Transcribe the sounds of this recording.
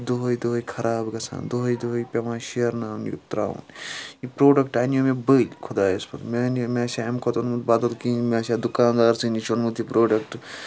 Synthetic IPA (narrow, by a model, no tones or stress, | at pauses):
d̪oɦojd̪oɦojkʰɐɾʔaːbɡɐsʰã̰ːnd̪oɦojd̪oɦojpʲemãːʃiɐɾnaːnṵt̪ɾa̰ːṵnipɾoːɖɐkʈaːnijomẽbəlʲkʰod̪aːjespʰɐt̪menmesʲaːemkʰot̪onmut̪baːd̪ɐt̪kiːmʲesʲaːd̪ukãːnd̪aːɾsɨnit͡ʃʰonmut̪ipɾoːɖɐk̚ʈ